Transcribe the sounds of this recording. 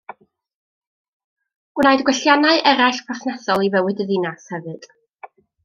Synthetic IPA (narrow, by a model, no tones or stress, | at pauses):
ɡ̥naɨdɡwɛɬjanaɨʔɛɾaɬpʰɔθnɛsɔlˠivɛwɪdəðinashɛvɨd̥